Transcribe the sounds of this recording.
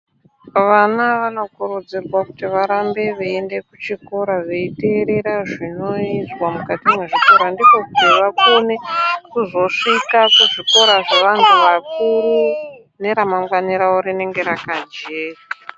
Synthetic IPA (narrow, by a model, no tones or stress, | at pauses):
ʋanaʋano̞kuɾud͡zirwakutiʋaɾambe̞ʋeːndekut͡ʃiko̞ɾaʐeite̞ɾe̞ɾaʐino̞izwamukatimweʐiko̞ɾandiko̞kutiʋakone̞kuzo̞ʂikakuʐiko̞ɾaʐe̞ʋantʰuʋakuɾu | ne̞ɾamaŋɡwaniɾauɾine̞ŋɡe̞ɾakad͡ʒeːra